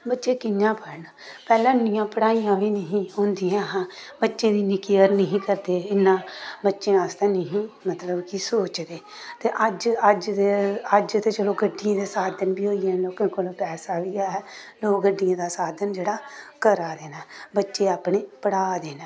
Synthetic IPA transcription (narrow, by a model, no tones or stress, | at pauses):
bətːʃeːkɪɲãːpəɾnː | pɛːlãːnɪjãːpəɽaːijãːʋiːnəɦĩːɦõːnd̪ijãːɦãːbətːʃẽːd̪iːnɪkijəɾnəɦĩːkəɾd̪eːɪnːãːbətːʃẽːast̪ẽːnəɦĩːmət̪ləbkɪsoːt͡ʃd̪eː | t̪eːʔəd͡ʒəd͡ʒeəd͡ʒt̪eːt͡ʃəloːɡəɖːijãːd̪eːsaːd̪ənbiːɦoːijẽːnloːkãːkolpɛːsaːʋiːaːɦɛːloːɡəɖɪjãːd̪aːsaːd̪ənd͡ʒeːɽaːkəɾaːd̪eːnaːbətːʃeːaːpɽeːpəɽaːd̪eːnaː